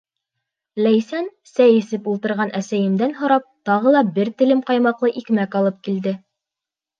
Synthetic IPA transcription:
læjsæn | sæjɘ̆sɘpulˠt̪ɤ̆ɾʁɑnʔæsæjɘ̆md̪ænɦŏɾɑp̚t̪ɑʁɤlˠɑbɘɾt̪ɘ̆lɘmqɑjmɑqlˠɤʔikmækɑlˠɤp̚kild̪ɘ

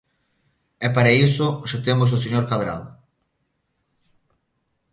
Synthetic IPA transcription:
ɛpaɾaisʊʃat̪emos̬ʊs̬eɲoɾkaðɾa̰ð

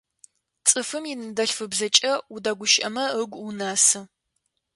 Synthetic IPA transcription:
t͡sʼɨfɨmjɪnɨdɐɬfɨbzɐt͡ʃʼɐudaːɡʷʊʃɐ̰mɐəɡʷunaːsɨ

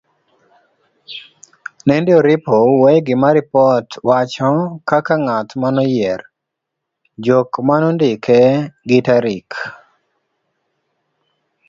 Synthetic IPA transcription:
nɛndjoɾɪpowejɡɪmaɾɪpɔtwat͡ʃɔkakaŋat̪manɔjɛr | d͡ʒokmanɔndɪkeɡitaɾik

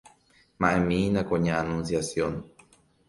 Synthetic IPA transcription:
mãʔemĩnãkoɲãanũnsjasjon

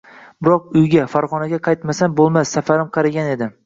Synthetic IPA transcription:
bɪɾɒq̚ʊjɡʲafaɾʁɒnaɡʲaqʰɑjt̪masanbolˠmasːafaɾɪmqʰɑɾaɡʲane̞d̪ɪ

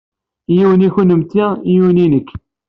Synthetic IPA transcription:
jiwəniçunəmt̪ːijuninəkː

